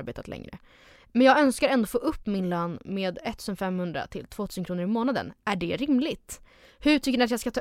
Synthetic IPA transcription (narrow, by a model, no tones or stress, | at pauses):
beːt̪ʰat̪lɛ̰ŋɾə̰ | mɛnjɑːɡœnskaɾɛnd̪oːfoːʔɵpːmɪnløːnmeːd̪ɛt̪ʰːʉːsənfɛmhɵnd̪ɾa̰t̪ʰɪlt̪ʰv̥oːt̪ʰʉːsənkɾuːnəɾɪmoːnad̪ə̰næɖɛɾɪmlɪɡt̪ | hɵʈʰʏkːnɪat̪jɑːskat̪ʰɑ